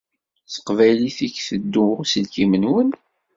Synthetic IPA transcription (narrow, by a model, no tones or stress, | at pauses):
θə̥qvæjliθiçθəd̪ːusəlkimənwən